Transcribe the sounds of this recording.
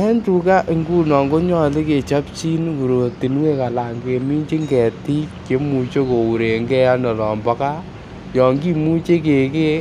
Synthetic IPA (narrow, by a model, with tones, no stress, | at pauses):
ɛ˦ntu˨ka˦ʔe˨ŋɡu˦nɔ˨ŋɡo˦ɲɔ˦˨li˦ke˨t͡ʃa˦pt͡ʃi˦nu˨ɾo˨ti˨n˦we˦ka˨la˨ŋɡe˨mi˦nt͡ʃi˦ŋɡɛ˨ti˦ke˨˦mu˨t͡ʃo˦ko˨u˨ɾe˨ŋɡɛ˦ja˦nɔ˨lɔ˨mbɔ˦ka˦ | jɔ˨ŋɡi˦mu˦t͡ʃe˦ke˨ke˦